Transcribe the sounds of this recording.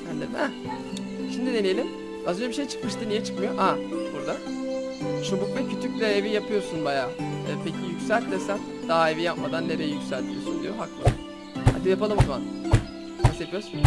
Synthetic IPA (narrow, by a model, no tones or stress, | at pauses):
ænd̪ed̪ɛ | ʃimd̪id̪enʲejlʲim | azø̞nd͡ʒebiʃe̞jt͡ʃʰɯ̥kmɯʃt̪ɯnijɛt͡ʃʰɯkmajoʔabuɾd̪a | t͡ʃʰobuk̚bɛcʰyt̪ʰyclʲɛevijapʰɯjo̞ɾsunbajaːpʰe̞cʰijycʲsælʲt̪ːesæn | d̪̥aaevijap̚mad̪anːeɾejɛjycsælʲt̪ʰijosund̪ˠḭjoɦaklˠɯ | ha̰d̪ijapalˠɯmɯzma̰n | kʰasjapɯjoɾsun